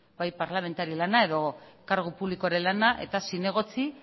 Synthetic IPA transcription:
bajpaɾlame̞nt̪aɾilanae̞ðo̞kaɾɣ̞upuβlikoaɾe̞lanaʔe̞t̪asine̞ɣ̞o̞t͡si

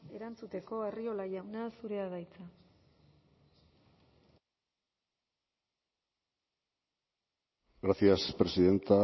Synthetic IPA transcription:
e̞ɾant͡sut̪e̞ko̞e̞rio̞laʝawnasuɾe̞aðajt͡sa | ɡɾasiaspɾe̞siðe̞nt̪a

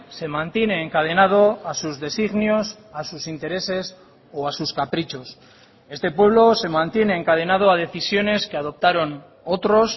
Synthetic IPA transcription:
se̞mãnt̪je̞ne̞ːŋkað̞e̞nað̞o̞asuzðe̞siɣnjos | asusint̪e̞ɾe̞se̞s | oasuskapɾit͡ʃo̞s | e̞st̪e̞pwe̞β̞lo̞se̞mãnt̪je̞ne̞ːŋkað̞e̞nað̞o̞að̞e̞θisjo̞ne̞ske̞að̞o̞p̚t̪aɾo̞n | o̞t̪ɾo̞s

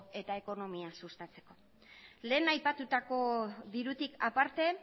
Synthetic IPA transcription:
e̞t̪ae̞ko̞no̞miasust̪at͡se̞̥ko̞ | le̞ːnajpat̪ut̪ako̞ðiɾut̪ikapaɾt̪e̞

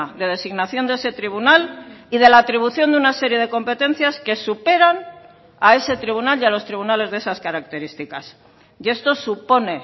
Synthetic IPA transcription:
ðe̞ðe̞siɣnaθjo̞nd̪ee̞se̞t̪ɾiβ̞unalið̞e̞laːt̪ɾiβ̞uθjo̞nd̪unase̞ɾje̞ðe̞ko̞mpe̞t̪e̞n̟θjaske̞supe̞ɾan | ae̞se̞t̪ɾiβunaljalo̞st̪ɾiβunale̞zðe̞saskaɾak̚t̪e̞ɾist̪ikas | je̞st̪o̞supo̞ne̞

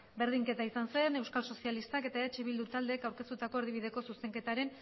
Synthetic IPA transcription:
be̞ɾð̞iŋke̞t̪aisanse̞ne̞wskalso̞sialist̪ake̞t̪aeat͡ʃeβ̞ild̪ut̪ald̪e̞ːkawɾke̞st̪ut̪ako̞eɾðiβiðe̞ko̞suse̞ŋke̞t̪aɾe̞n

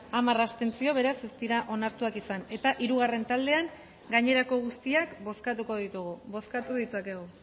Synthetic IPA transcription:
amarast̪e̞nt͡sio̞β̞e̞ɾase̞st̪iɾaʔo̞naɾt̪uakisane̞t̪aʔiɾuɣare̞nt̪ald̪e̞aŋ | ɡaɲe̞ɾako̞ɣ̞ust̪iakbo̞skat̪uko̞ðit̪uɣuβo̞skat̪uðit̪uake̞ɣ̞u

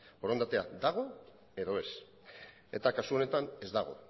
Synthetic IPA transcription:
oɾond̪at̪e̞a̰d̪aɣ̞o̞ | e̞ðo̞e̞s | e̞̰t̪akasuo̞ne̞t̪ane̞zd̪aɣ̞o̞̰

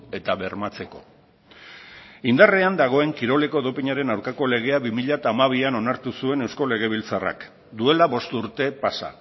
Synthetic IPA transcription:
e̞t̪aβe̞ɾmat͡se̞ko̞̰ | ind̪areand̪aɣ̞o̞e̞ŋkiɾo̞le̞ko̞ðopiɲaɾe̞nawɾkako̞le̞ɣ̞e̞aβimiʎat̪aːmaβiano̞naɾt̪usue̞ne̞wsko̞le̞ɣ̞e̞β̞ilt͡sara̰k | d̪ue̞laβo̞st̪uɾt̪e̞pasa̰

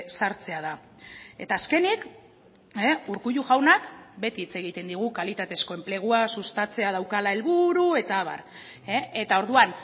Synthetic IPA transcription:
saɾt͡se̞aða | e̞t̪aːske̞nik | euɾkuʎuɣawnakbe̞t̪iːt͡se̞ɣ̞it̪e̞nd̪iɣ̞ukalit̪at̪e̞sko̞e̞mple̞ɣ̞uasust̪at͡se̞aðawkalae̞lβuɾue̞t̪aβ̞a̰ɾ | et̪ao̞ɾðuan

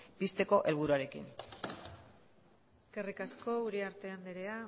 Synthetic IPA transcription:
pist̪e̞ko̞ʔe̞lβ̞uɾuaɾe̞kḭn | eske̞rikasko̞uɾiaɾt̪e̞and̪eɾea

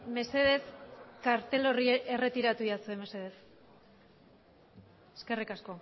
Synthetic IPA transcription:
me̞se̞ðe̞skaɾt̪e̞lo̞riʔe̞re̞t̪iɾat̪ujasue̞me̞se̞ð̞e̞s | e̥ske̞rikasko̞

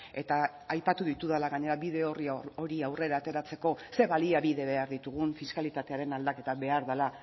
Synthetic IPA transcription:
e̞t̪a | ajpat̪uðit̪uðalaɣaɲe̞ɾaβið̞e̞o̞rio̞ɾiawre̞ɾaːt̪e̞ɾat͡se̞ko̞se̞βaliaβiðe̞βe̞aɾðit̪uɣ̞uɱfiskalit̪at̪e̞aɾe̞nald̪ake̞t̪aβe̞aɾðala

